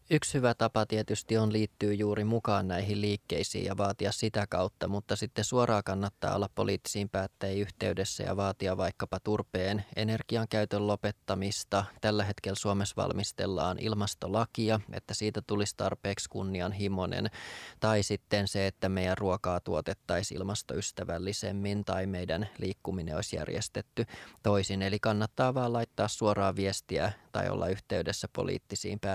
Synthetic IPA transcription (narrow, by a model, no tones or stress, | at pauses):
ykshyʋæt̪ɑpɑt̪iet̪yst̪ionliːt̪ːyːjuːɾimukɑːnnæiɦilliːkːe̞isḭːjɑʋɑːt̪iɑssit̪ækɑut̪ːɑmut̪ːɑsit̪ːesuoɾʔɑːkɑnːɑt̪ːɑ̰ːolːɑpːo̞̰liːt̪ːi̥siːmpæːt̪ːæiyht̪e̞ydesːæ̰jɑ̰ʋɑːt̪iɑʋɑjkːɑpɑt̪urpeːne̞̰ne̞rɡ̥iɑŋkæyt̪øllo̞pe̞t̪ːɑmist̪ɑt̪ælːæɦe̞t̪kelːsuomesʋɑ̰lmist̪e̞̰lːɑ̰ːnʔḭlmɑst̪o̞lɑkiɑḛt̪ːæsiːt̪æt̪ulist̪ɑrpeːkskunːiɑnɦimo̞nḛnt̪ɑjsit̪ːenseet̪ːæmejænruokɑːt̪uot̪et̪ːɑjsḭlmɑst̪oyst̪æʋælːisḛmːint̪ɑimejdænliːkːumineo̰isjæ̰rjḛst̪et̪ːyt̪o̞isinelikɑnːɑt̪ːɑːʋɑːlɑjt̪ːɑːssuoɾɑːʋiest̪iæ̰t̪ɑ̰jo̰lːʔɑ̰yht̪eydesːæpo̰lʔḭːt̪ːisḭːmpæː